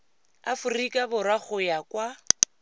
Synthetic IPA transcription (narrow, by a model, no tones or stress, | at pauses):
afurikʼabʊɾaχʊjakwa